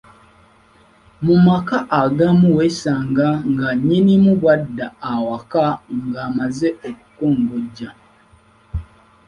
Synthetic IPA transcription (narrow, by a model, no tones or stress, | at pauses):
mumakaʔaɡamuwesaːŋɡaŋɡaɲinimuβwadːaːwakaŋɡaːmazeʔoku̥koːŋɡoɟːa